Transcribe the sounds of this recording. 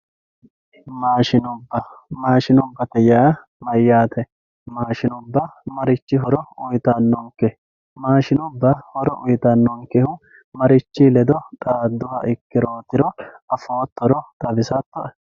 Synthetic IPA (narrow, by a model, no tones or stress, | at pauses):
maːʃɪnʊbːɐmaːʃɪnʊbːɐt̪ɛjaɐ | mɐjːaːt̪ɛ | maːʃɪnʊbːɐmɐɾɪt͡ʃːɪɦɔɾɔʊjt̪ɐnːɔŋkɛ | maːʃɪnʊbːɐhɔɾɔʔʊjt̪ɐnːɔŋkɛhʊ | mɐɾɪt͡ʃːɪlɛd̪ɔt̪ʼaːd̪ːʊhɐʔɪkːɪɾoːt̪ɪɾɔɐfoːt̪ʰːɔɾɔt̪ʼɐbɪsɐt̪ːɔɛ